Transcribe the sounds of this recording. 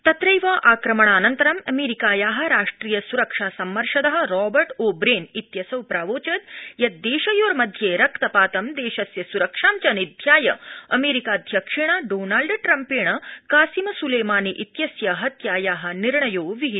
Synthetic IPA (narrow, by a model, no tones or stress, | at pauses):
t̪ɐt̪ɾɐjʋaʔaːkɾɐmɐɳ̃aːnɐnt̪ɐɾɐmɐmeːɾikaːjaːɦɐ̆ɾaːʂʈɾiːjɐsuɾɐkʂaːsɐmːɐɾʂɐd̪ɐɦɐ̆ɾɔːbɐɾʈoːbɾeːnit̪jɐsɐwpɾaːʋoːt͡ʃɐt̪jɐd̪eːʃɐjoːɾmɐd̪ʱjeːɾɐkt̪ɐpaːt̪ɐmd̪eːʃɐsjɐsuɾɐkʂaːmt͡ʃɐnid̪ʱjaːjɐ̰ɐ̰meːɾikaːd̪ʱjɐkʂiɳ̃aːɖoːnaːlɖʈɾɐmpeːɳɐkaːsimɐsuleːmaːniʔit̪jɐsjɐɦɐt̪jaːjaːɦɐ̆niɾɳɐjoːʋiɦi